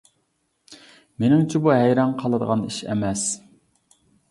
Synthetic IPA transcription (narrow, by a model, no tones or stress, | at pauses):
menɪŋt͡ʃʰɛbuɦɛjɾɑŋqʰɑlˠɨd̪əʁɑniʃɛ̰mɛs